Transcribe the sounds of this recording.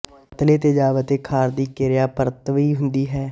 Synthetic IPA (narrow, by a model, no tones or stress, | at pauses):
t̪leːt̪eːd͡ʒaːʋət̪eːkʰaːɾd̪iːkeːɾɪjaːpəɾət̪ːʋiːɦʊnd̪iːɦɛː